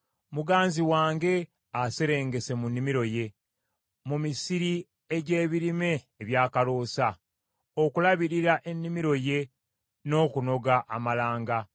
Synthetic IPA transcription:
muɡaːnziwaːŋɡe̞ | ase̞ɾe̞ːŋɡe̞se̞munːimiɾo̞je̞ | mumisiɾi | eɟe̞ːβiɾime̞ːβjaːkalo̞ːsa | okulaβiɾiɾaʔe̞nːimiɾo̞je̞ | no̞ːkuno̞ɡaʔːmalaːŋɡa

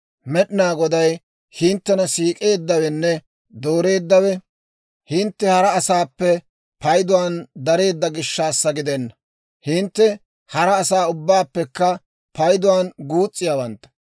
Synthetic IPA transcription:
mɛɗɪnaːɡɔd̪ɐj | hɪnt̪ːɛnɐsiːkʼe̞ːd̪ːɐwɛnːɛ | d̪o̞ːɾe̞ːd̪ːɐwɛ | hɪnt̪ːɛhɐɾɐːsaːpːɛ | pɐjd̪ʊwaːnd̪ɐɾe̞ːd̪ːɐɡɪʃːaːsːɐɡɪd̪ɛnːɐ | hɪnt̪ːɛ | hɐɾɐːsaːʊbːaːpːɛkːɐ | pɐjd̪ʊwaːnɡuːt͡sʼːɪjaːwɐnt̪ːɐ̥

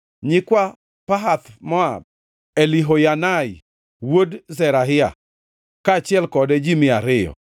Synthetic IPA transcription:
ɲɪkwa | paɦat̪mɔa̰ | eliɦojanaɪ | wodzɛɾaɦɪa̰ | kaːt͡ʃɪɛlkɔdɛd͡ʒimɪaɾɪjɔ̰

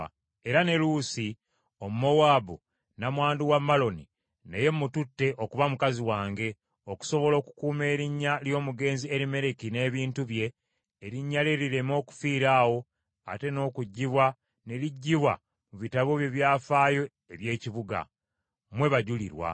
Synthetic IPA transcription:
e̞ɾane̞luːsi | o̞mumo̞waːbu | namwaːnduwamːalo̞ni | neje̞mːututːe̞ʔo̞kuβamukaziwaːŋɡe̞ | oku̥so̞βo̞lo̞ːku̥kuːme̞ːɾiɲːaljo̞ːmuɡe̞ːnzieɾime̞ɾe̞kine̞ːβiːntuβje̞ː | ɾiɲːaleɾiɾemo̞ːku̥fiːɾaːwo̞ | a̰te̞no̞ːkuɟːiβwa | ne̞ɾiɟːiβwa̰ | muβitaβo̞βje̞βjaːfaːjo̞ | eβje̞ːciβuɡa̰ | mwe̞βaɟulḭɾwa̰

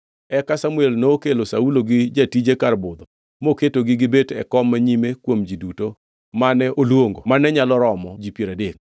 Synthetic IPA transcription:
ɛkasamuelnookelosauloɡɪd͡ʒatid͡ʒekarbʊd̪ɔ | moketoɡɪɡɪbetɛ̰kɔmːaɲimekwomd͡ʒiduto | manɛʔolwoŋɡomanɛɲalɔɾɔmɔd͡ʒipjeɾadeŋ

